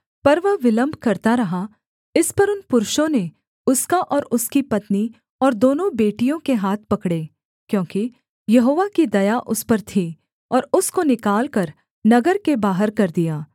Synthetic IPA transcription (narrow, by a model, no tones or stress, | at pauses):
pɐɾʋəʋɪlə̃mbʱkɐɾt̪aɾɐɦa | ɪspɐɾʊnpʊɾʊʃõne | ʊskaʔɔːɾʊskipɐt̪ni | ɔːɾd̪oːnõbeːʈijõkeɦaːt̪̚ʰpɐkɽeː | kjõːki | jɐɦoːʋakid̪ɐjaʔʊspɐɾt̪ʰi | ɔːɾʊskonɪkaːlkɐɾ | nɐɡəɾkebaːɦəɾkɐɾd̪ijaː